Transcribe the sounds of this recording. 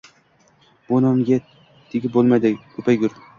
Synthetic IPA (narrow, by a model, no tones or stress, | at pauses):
b̥onomɡʲe | d̪̥ʰeɡʲɪbolˠmajd̪ɪkʰɵpʰajɡʲʊɾd̪ɪ